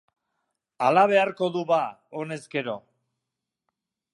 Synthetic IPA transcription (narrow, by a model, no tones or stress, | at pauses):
alaβ̞e̞aɾko̞ðuβaone̞zɡe̞ɾo̞